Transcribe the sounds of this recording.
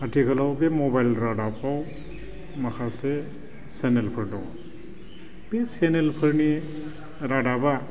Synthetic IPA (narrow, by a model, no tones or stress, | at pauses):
atʰikʰalawbemɔbajlɾadapaw | makʰase | senelpʰəɾdɔ̰w | b̥esenelpʰəɾni | ɾadaba